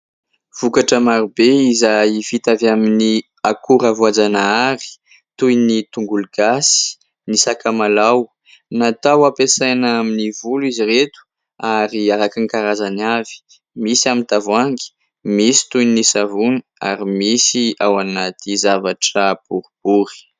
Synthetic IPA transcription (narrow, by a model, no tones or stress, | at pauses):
v̥ukaʈ͡ʂəmaɾibeizajivit̪avamini | akuɾavuad͡zanaaɾi̥ | t̪ujnit̪uŋɡuluɡasi̥ | nisakamalaw | nat̪awapesajnaaminivuliziret̪u̥ | aɾiaɾakiŋikaɾazanavi̥ | misamint̪avwaŋɡi̥ | misi̥t̪ujnisavunia̰ɾimisiawanat̪izavaʈ͡ʂəb̥uɾb̥uɾi̥